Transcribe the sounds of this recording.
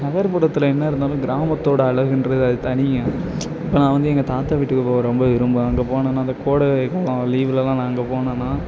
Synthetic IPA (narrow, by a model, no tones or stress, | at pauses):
nɐɣɐɾpɐɽɐt̪ːɯlɐɛnːɐɪɾɯnd̪aːlʊ̃ɡɪɾaːmɐt̪ːoːɽɐɐɭɐɣɪndɾɐðɯɐðɯt̪ɐɳɪjɐ̃ | ɪpːoːnãːʋɐnd̪ɯɛŋɡɐt̪aːt̪ːaʋɪʈːɯkːɯpoːʋɐ̃ɾɔmbɐʋɪɾɯmbɯɐŋɡɐpoːɳɐnːãːɪnd̪ɐkoːɽɐkɐlːãːliːʋɪlɐlãːnãːɐŋɡɐpoːɳɐːnːãː